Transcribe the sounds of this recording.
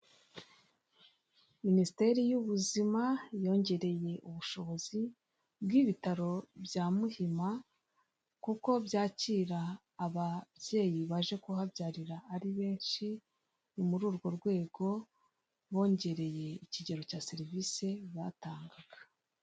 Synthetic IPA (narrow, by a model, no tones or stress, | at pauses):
ministe̞ɾijuβuzimajo̞ːɲɟe̞ɾe̞je̞ʔuβuʃo̞βo̞zi | bɡiβitaɾo̞bjaːmuhima | kuko̞bjaːciɾaː | βabje̞ːjiβaʒe̞kuhabjaːɾiɾaːɾiβe̞ːnʃi | nmuɾuːɾɡo̞ɾɡwe̞ːɡo̞ | βo̞ːɲɟe̞ɾe̞je̞iciɟe̞ɾo̞caːse̞ɾiviːse̞βataːŋɡaɡ̥a